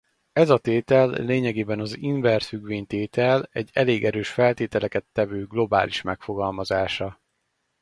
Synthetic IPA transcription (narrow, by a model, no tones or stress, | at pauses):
ɛzɒt̪eːt̪ɛlːeːɲɛɡeːbɛnɒziɱvɛrfyɡʋeːɲt̪eːt̪ɛlɛɟːɛleːɡɛɾøːʃfɛlt̪eːt̪ɛlɛkɛt̪ːɛvøːɡlo̞ba̰ːliʃmɛkfo̞ɡɒlmɒzaːʃɒ